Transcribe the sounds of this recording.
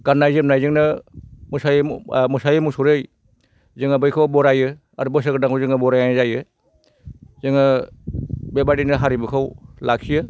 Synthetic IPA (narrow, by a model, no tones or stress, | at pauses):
ɡ̥anːajzɯm̚najzɯŋnɯmusajmusajɯmusuɾɯj | zɯŋabɯjkʰawbɔɾajɯ | ɐɾbɯs̬ɯɡɯdaŋkʰawzɯŋɯbɔɾajanzajɯ | zɯŋɯ | bebaɾdinɯɦaɾibɯkʰawlak̚sijɯ